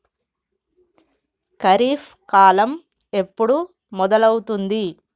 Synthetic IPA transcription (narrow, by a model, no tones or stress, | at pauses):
kɐɾiːf | kaːlɐm | e̞pːuɽu | mɔd̪ɐlɐwut̪und̪i